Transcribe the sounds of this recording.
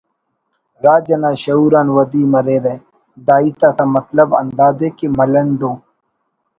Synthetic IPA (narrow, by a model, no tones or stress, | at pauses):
ɾaːd͡ʒɐnaːɕɐuːɾaːnwɐd̪iːmɐɾeːɾẽː | d̪aːiːt̪aːt̪amɐt̪ləbɐ̰nd̪aːd̪ekemɐlɐɳɖõː